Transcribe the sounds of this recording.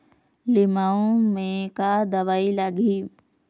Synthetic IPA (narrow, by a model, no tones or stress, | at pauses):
lɪmaːõmẽkad̪ɐʋaːilaɡiː